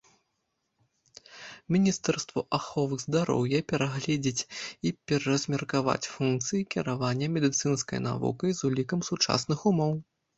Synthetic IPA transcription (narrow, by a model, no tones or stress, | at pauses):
mʲinʲist̪ɛrst̪vɐʔaxɔvɨɣzd̪aɾɔ̰wjɛpʲɛɾaɣlʲɛd͡zʲit͡sʲipʲɛɾɐɐzʲmʲɛrkava̰t͡sʲfunk̚t̪sɨjikʲiɾavanʲːɐmʲɛd̪ɨt̪sɨnskɐ̰jna̰vṵkɐjzulʲikɐmsut͡ʂa̰snɨxumɔw